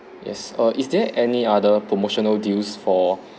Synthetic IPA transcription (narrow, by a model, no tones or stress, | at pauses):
jɛ̰sʌʔisdɛʔɛniadəpʰɹomoʃɔnəldilsfɔ